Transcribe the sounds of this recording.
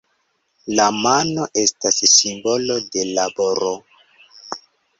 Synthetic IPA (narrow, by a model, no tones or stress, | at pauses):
lamano̞ʔe̞stassimbo̞lo̞de̞laboɾo